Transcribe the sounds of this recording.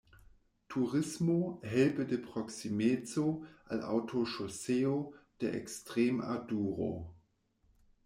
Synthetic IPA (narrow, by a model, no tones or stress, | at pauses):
tʰuʁɪsmoɦɛlpədepʁ̥oksimet͡soʔa̰la̰wtʰoʃoseːod̥eʔɛ̰kstʁ̥eːma̰duːʁo̰